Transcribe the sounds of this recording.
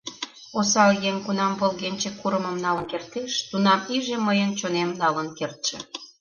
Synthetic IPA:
osɑljeŋkunɑmβəlɣenʲt͡ɕekːuɾəməmnɑlənkert̪eʃt̪unɑmiʒeməjənt͡ɕonemnɑlənkert̪ʃe

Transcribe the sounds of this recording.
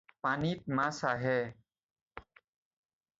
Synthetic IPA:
paːniːt̪̚mãːsaːɦɛː

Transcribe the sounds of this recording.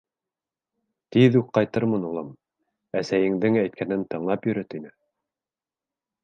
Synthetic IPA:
t̪iðʉkqɑjt̪ɤɾmɤnulˠɤm | æsæjɘ̆ŋd̪ɘŋæjt̪̚kʰænɘnt̪ɤ̆ɴlˠɑpjɵ̆ɾɵt̪inɘ

